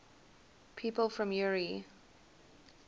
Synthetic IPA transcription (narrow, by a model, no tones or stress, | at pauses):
pʰiːˑpəlˠfɹə̃mjʊɹi